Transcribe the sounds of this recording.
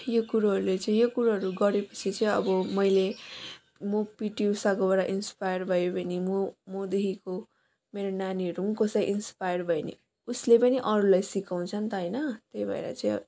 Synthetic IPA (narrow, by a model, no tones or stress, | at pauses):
jokuɾaɦʌɾulet͡sʌĩjokuɾaɦʌɾuɡʌɾepʌ̥t͡sʰit͡sʌĩʌ̰bʌmʌjle | mopiʈiusakobaɽaʔinspajʌrbʱʌjobʱʌnimumod̪eɦiko | meɾonaniʌɾuŋkosaʔinspajʌrbʱʌenḭ | uslepʌniʔʌɾulajsikaw̃t͡sʰʌnt̪ʌɦʌjnʌt̪ejbʱʌḛɾʌ̰t͡saĩ